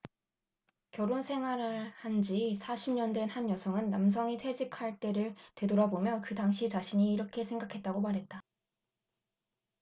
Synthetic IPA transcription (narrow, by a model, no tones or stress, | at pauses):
kjʌɾonsʰe̞ŋɦwaɾɯɭhand͡ʑisʰaɕʰimɲʌndwe̞nhanjʌsʰʌŋɯnːams̬ʰʌŋitʰwe̞d͡ʑikʰaɭt͈e̞ɾɯɭtwe̞doɾabomjʌkɯdaŋɕʰit͡ɕaɕʰiɲiːɾʌkʰe̞sʰe̞ŋɡakʰe̞t̚t͈aɡomaɾɦe̞t̚t͈a